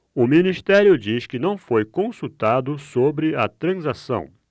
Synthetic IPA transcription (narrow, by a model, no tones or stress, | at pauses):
ʊmĩniʃt̪ɛɾjʊd͡ʒiskɪnɐ̃w̃fojkõsut̪ad̪ʊsobɾɪɐt̪ɾɐ̃zasɐ̰̃w̃